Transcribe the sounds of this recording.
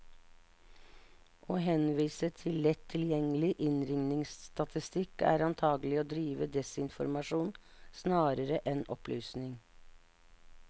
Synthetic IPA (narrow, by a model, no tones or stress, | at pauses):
ʔoːɦɛnʋiːsət̪ʰɪllɛt̪ʰːɪljɛŋəlɪʔɪnɾɪŋnɪŋsst̪ɑt̪ʰɪst̪ɪkæ̰ːɾɑnt̪ʰɑːɡəlɪoːd̪ɾiːʋəd̪ɛsɪnfɔ̰ɾmɑʂuːnsnɑːɾəɾəʔɛnʔɔ̰plyːsnɪŋ